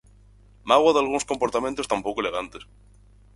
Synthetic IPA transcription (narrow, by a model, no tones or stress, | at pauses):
maɣwaðalɣuŋskompoɾt̪amẽnt̪ost̪ampokoleɣ̞ant̪es